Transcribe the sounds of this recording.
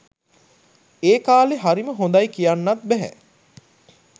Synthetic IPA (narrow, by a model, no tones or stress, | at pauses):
eːkaːleɦaɾiməɦond̪ajkijanːat̪̚bɛɦæ̰